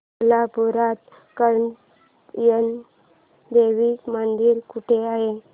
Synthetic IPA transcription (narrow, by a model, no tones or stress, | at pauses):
lapuɾat̪ | kəɾɳ | jən | d̪eʋikmənd̪iːɾkuʈʰeaɦe